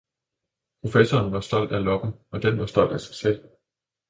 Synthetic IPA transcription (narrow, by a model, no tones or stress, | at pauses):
pʰʁo̝fesɒːnʋɑ̈sd̥ɒ̽l̰d̥ælɒ̽ɡ̥n̩ɒ̽d̥enʋɑ̈sd̥ɒ̽l̰d̥æsɑ̈ɪsel̰